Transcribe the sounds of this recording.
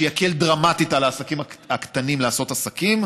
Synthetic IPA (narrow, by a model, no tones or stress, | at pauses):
jakeldʁamatitalaːsakimhaakt̪animlaaso̞tasakim